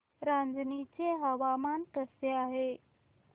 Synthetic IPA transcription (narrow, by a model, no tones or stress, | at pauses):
ɾand͡znit͡seɦaʋamant̪əseaɦe